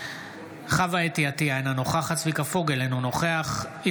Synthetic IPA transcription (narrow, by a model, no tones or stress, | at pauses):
χavaetiatiaenano̞χaχat͡svikafoɡelenunoχeaχi